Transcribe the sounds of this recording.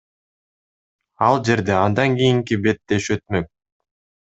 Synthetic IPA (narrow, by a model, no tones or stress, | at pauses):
ɑlˠd͡ʒe̞ɾd̪eɑnd̪ɑŋɡijiŋkibe̞t̪ːe̞ʃø̞t̪̚møk̚